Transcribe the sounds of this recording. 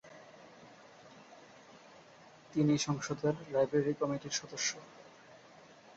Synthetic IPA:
t̪iniʃɔŋʃod̪ʱeɾlajbɾeɾikɔmiʈiɾʃɔd̪oʃːo

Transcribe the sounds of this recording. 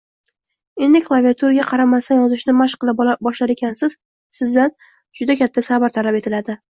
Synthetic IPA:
e̞nd̪ɪkʲlˠaviat̪ʰuɾaɡʲaqʰɑɾamasanjɒzɪʃnɪmaʃqɨlˠɪpbɒʃlaɾe̞kʲʰansɪz̥ | sɪzd̪an | d͡ʒʊd̪akʲʰat̪ʰːasabaɾt̪ʰalape̞t̪ʰɪlad̪ɪ

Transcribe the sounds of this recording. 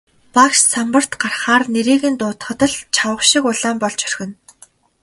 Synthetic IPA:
pakʃsampə̆r̥t̪ɢarχaːrneɾiːɣɘ̆nt̪ʊːt̪χə̆t̪ə̆ɮt͡ɕʰawə̆χʃikʊɮaːmpɔɮt͡ɕœ̥rxɘ̆n

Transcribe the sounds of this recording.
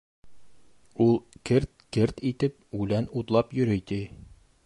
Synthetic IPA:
ulˠkɘɾt̪̚kɘɾt̪it̪ɘp̚ʉlænut̪lˠɑpjɵ̆ɾɘjt̪i

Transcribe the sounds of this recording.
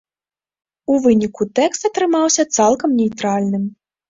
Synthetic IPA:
uvɨnʲikut̪ɛkst̪ɐt̪ɾɨmawsʲɐt̪salˠkɐmnʲejt̪ɾalʲnɨm

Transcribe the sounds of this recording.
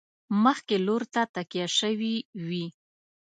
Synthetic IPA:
məxkeloɾt̪at̪akjaʃəwiwi

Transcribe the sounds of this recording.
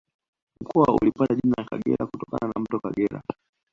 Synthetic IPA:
m̩kʰɔwaṵlipataʄinalaka̰ɡɛ̰ɾakutɔka̰nanam̩tɔkaɡɛɾa̰

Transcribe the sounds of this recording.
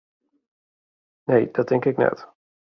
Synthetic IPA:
nejd̪̥ɑt̪ʰːɛŋkəɾɛknɛ̰t̪

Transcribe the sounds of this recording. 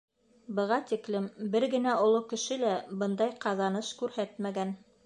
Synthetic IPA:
bɤ̆ʁɑt̪iklɘmbɘɾɡɘ̆næŏlˠokɘ̆ʃɘlæbɤnd̪ɑjqɑðɑnɤʃkʉɾhæt̪mæɡæn

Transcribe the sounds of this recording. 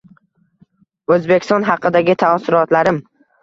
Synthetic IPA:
ɵzbekʲʰɪst̪ɒnɦɑqɨd̪aɡʲɪt̪ʰasɪɾɒt̪laɾɪm

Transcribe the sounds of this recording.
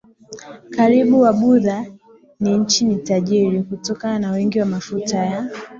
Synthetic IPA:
kaɾiɓuwaɓuða | niɲ̩t͡ʃinitaʄiɾikutɔkananawɛŋɡiwamafutaja

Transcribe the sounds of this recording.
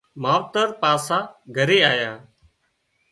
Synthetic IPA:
maːʋt̪əɾpaːsãːɡʱəɾeːaːjãː

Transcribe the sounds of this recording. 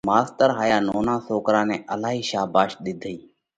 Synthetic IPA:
maːst̪əɾɦaːjaːnoːnãːsoːkɾãːnɛ̃ːʔəlaːɦiːʃaːbaːʃɗ̪ɪd̪ʱiː

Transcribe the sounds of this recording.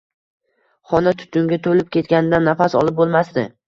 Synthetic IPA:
χɒnat̪ʰʊ̥t̪ʰʊŋɡʲat̪ʰolɪp̚kʲʰe̞t̪kʲanɪd̪anːafasɒ̰lˠɪp̚bolˠmast̪ɪ

